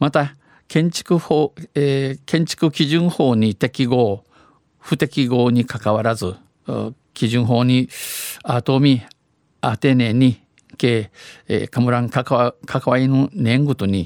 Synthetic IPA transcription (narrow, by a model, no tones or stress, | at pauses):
mat̪a | kẽ̞ɲt͡ɕi̥kɯhoekẽ̞ɲt͡ɕi̥kɯ̟kʲiʑɨ̃ɰ̃ho̞ːɲ̟it̪e̞kʲiɡo̞ː | ɸɯ̟t̪e̞kʲiɡo̞ːɲ̟ikakaβaɾazɨ | kʲiʑɨ̃ɰ̃ɦo̞ːɲ̟iat̪omʲi | at̪e̞ːne̞ɲi | kḛːkamɯ̟ɾãŋkakʰakaβainonʲẽ̞ŋɡɯ̟t̪oɲ̟i